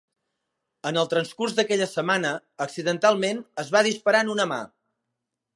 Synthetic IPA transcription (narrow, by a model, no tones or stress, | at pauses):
ənəlˠt̪ɾənskurzðəkɛʎəsəmanəːksiðənt̪alˠmenəzβað̞ispəɾanunəma̰